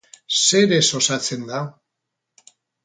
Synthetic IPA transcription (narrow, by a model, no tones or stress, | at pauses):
se̞ɾeso̞sat͡se̞nd̪a